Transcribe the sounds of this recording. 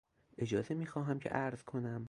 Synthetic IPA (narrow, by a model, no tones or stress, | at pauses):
ʔe̞d͡ʒɒːzemiːxɒːɦæmcʰḛʔæɾz̥kʰo̞næm